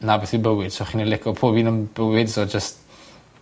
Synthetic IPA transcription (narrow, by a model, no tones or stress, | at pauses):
nabɛθibəwɪd̥soχiːnilɪkʰɔpʰoːbiːnəmb̥əwɪdsod͡ʒəst̚